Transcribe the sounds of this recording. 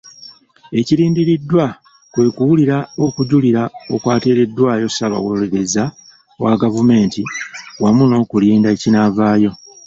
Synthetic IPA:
e̞ciɾiːndiɾidːwa | kwe̞ːkuwuliɾao̞kuɟuliɾaokwaːte̞ːɾe̞dːwaːjo̞saβa̰woleɾe̞za | waɡavume̞ːntiwamuno̞ːkuliːndaecinavaːjo̞

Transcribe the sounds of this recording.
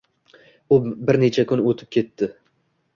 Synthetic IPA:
ʊbɪɾne̞t͡ʃʰakʰʊnot̪ʰɪ̥p̚kʲʰe̞t̪ːɪ

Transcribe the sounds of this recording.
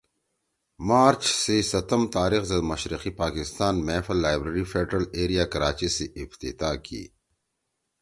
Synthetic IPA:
maːɾt͡ʃsesɐt̪ɐmt̪aːɾixzɐd̪mɐʃɾiqipaːkɪst̪aːnmeːfɐlːaːjbɾeɾifeːɖɾɐleːɾijakɐɾaːt͡ɕiseʔɪft̪ḭt̪aːkḭː

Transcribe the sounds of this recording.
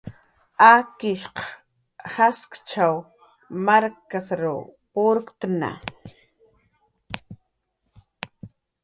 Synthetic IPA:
akɪʃqɑ̥ | haskt͡ʃaw | maɾkasɾʊ̰poɾkt̪na̰

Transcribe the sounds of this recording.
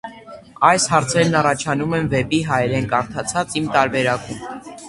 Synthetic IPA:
ɑjshɑɾt͡sʰɛɾnɑrɑt͡ʃʰɑnumɛnvɛpiɦɑjɛɾɛnkɑɾt̪ʰɑt͡sʰɑt͡simt̪ɑɾbɛɾɑkum

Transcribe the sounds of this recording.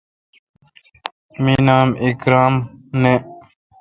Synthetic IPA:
minaːmikɾaːmne

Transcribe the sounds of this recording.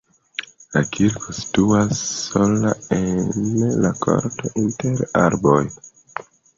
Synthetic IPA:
lakʰiɾkʰosi̥tuasːo̞laenlakʰo̰ɾto̞ʔinte̞ɾaɾboj

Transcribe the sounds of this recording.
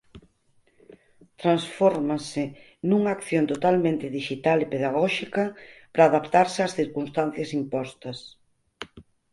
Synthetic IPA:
t̪ɾansfɔɾmasɪ | nuŋɐaːkθjont̪ot̪almẽnt̪ɪðiʃit̪alepeðaɣ̞ɔʃikɐpɾaːðapt̪aɾsɪaːsθiɾkunst̪an̟θjɐsimpɔst̪ɐs

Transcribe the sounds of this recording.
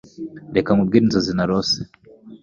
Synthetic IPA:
dɛkamuɡinzazinaɾɔsɛ̥

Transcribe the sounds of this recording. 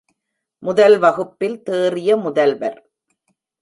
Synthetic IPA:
mʊðɐlʋɐɣɯpːɪlt̪eːrɪjɐmʊðɐlʋɐɾ

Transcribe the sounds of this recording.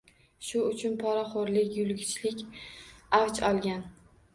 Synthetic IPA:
ʃʊʊt͡ʃʰʊnpʰɒɾaχoɾlɪkʲjʊlˠɡʲɪt͡ʃʰlɪkʲ | awt͡ʃʰɒlˠɡʲan

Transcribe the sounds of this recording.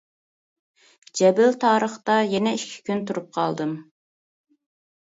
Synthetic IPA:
d͡ʒɛbɪlt̪ʰɑːɾəχt̪ɑjɛnɛiʃkʲʰi̥kʲʰynt̪uɾup̚qʰɑ̰lˠd̪ɨm

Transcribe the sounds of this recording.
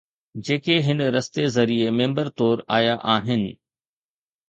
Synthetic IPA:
d͡ʑeːkeɦɪnɾɐst̪ezɐɾiemẽːmbəɾt̪ɔːɾa̰ːjaʔaːɦɪnɪ̆

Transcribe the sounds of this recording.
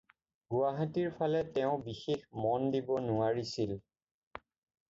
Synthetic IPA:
ɡuwaɦatiɹpʰalɛtɛʊ̃bixexmɔndibɔnʊaɹisil

